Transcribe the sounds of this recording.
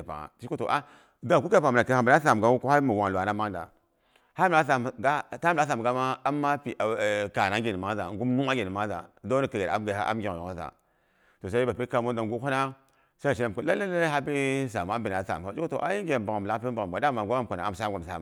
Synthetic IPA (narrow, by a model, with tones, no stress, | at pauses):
pa̰˨a̰˨t͡ʃi˦ku˦to̰˨ʔa˦ | da˦ŋ˨ku˦ka˦˨pa˨na˨ka˦a˨bi˨na˦sa˨m˨ɡa˦wu˦ku˦a˦mi˨wa˨lwa˨na˦ma˦ŋ˦da̰˨ | ha˦m˨na˦s̬a˨m˨ɡa˦ta˦m˦˨a˦sa˨m˨ɡa˦ma˦a˦mːa˦pi˨a˨ka˨na˦ŋ˦ɡe˨ni˨ma˦za˨ŋɡu˦mnu˦a˦ɡʲe˨ni˨ma˦za̰˨da˦ni˨kə˨ɡa˨a̰˦m˦ɡa˨a̰˦a̰˦mɡʲi˨o˨o˦za̰˨ | to˨sa˦i˦ba˨pi˦ka˨mo˦n˦da˨ŋɡu˦ko˦na˦ | sa˦a˨ʃi˦na˨m˨ku˦la˦lːa˦la˦ha˦pi˦sa˨m˨a˦bi˨na˨˦sa̰˨m˨a˦i˦ku˦to̰˨ʔa˦ji˦ŋɡe˨ba˨ŋa˨m˨la˦pi˦ba˨a˨ɡa˨˦da˦˨ma˨ɡʷa˦a˦m˨ka˨na˨a˨m˨sa˦˨ɡa˨sa̰˨m